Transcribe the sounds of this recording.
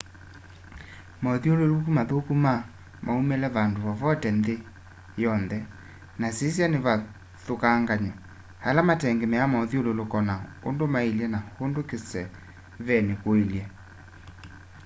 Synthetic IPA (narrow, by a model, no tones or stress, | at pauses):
mɔðiololukumaðokuma | mʔaumelɛβandoβavɔtɛnde | jɔnðɛ | nasesjaneβa | ðokaŋɡaɲa | halamatɛŋɡemɛamɔðiololokɔnaondomaeljɛnahondokesɛ | βɛnekoeljɛ